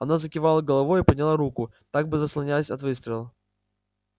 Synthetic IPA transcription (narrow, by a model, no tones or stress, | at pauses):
ɐnazəkʲɪvalˠəɡəlˠɐvojipədʲnʲɪlˠaɾukʊ | t̪aɡ̚bɨzəslˠɐnʲasʲɐt̪vɨst̪ɾʲɪlˠə